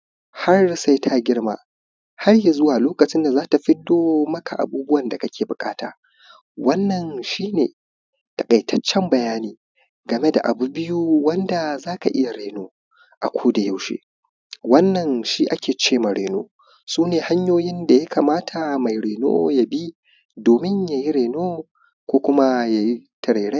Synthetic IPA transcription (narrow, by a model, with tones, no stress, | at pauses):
ha˦rsa˦jtʰa˦ɡʲɪ˦ɽma̰ː˦ | ha˦rja˨zʊ˦waː˨loː˦kɐ˨t͡ʃɪ˦nda˨zaː˦ta˨ɸɪ˦doː˦mɐ˦ka˨ʔa̰˨buː˦bʊ˦wɐ˨nda˨kɐ˦kʲʰeː˨bʊ˨kʼaː˦ta̰ː˨ | wɐ˦nːɐ˨nʃiː˦neː˨ | ta˨kʼɐ˨jtʰɐ˦t͡ʃːɛ˦mbɐ˨jaː˦niː˨ | ɡɐ˨me˦da̰˨ʔa̰˨bu˦bɪ˦ju˦wɐ˦nda˨zaː˦ka˨ʔɪ˦ja˨ɽeː˨noː˦ | ʔa̰˨kʷʰoː˦da˨ja˦wʃḛː˦ | wɐ˦nːɐ˨nʃiː˦ʔa˦kʲeː˨t͡ʃeː˦˨ma˨ɽeː˨noː˦ | suː˦neː˨ha˦ɲjoː˦jɪ˦nda˨ja˦kaː˨maː˦tʰa˨ma˨jɽeː˨no̰ː˦ja˨bi˦ | doː˨mɪ˦ɲja˨ji˦ɾeː˨noː˦ | kʷoː˦kʷʊ˦ma˦ja˨ji˦tɐ˨ɾeː˨ɽe˦